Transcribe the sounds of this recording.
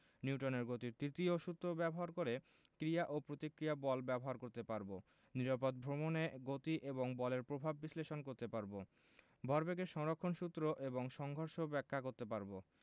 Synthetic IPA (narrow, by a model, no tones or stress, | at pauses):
niuʈoneɾɡot̪iɾt̪ɾit̪ioʃut̪ːɾobɛboɦaɾkoɾe | kɾiaʔopɾot̪ikɾijabɔlbɛboɦaɾkoɾt̪epaɾbo | niɾapod̪̚bʱɾomoneɡot̪iʔeboŋbɔleɾpɾobʱabːisleʃonkoɾt̪epaɾbo | bʱɔɾbeɡeʃɔŋɾokʰːonʃut̪ːɾoʔeboŋʃɔŋɡʱoɾʃobɛkʰːakoɾt̪epaɾbo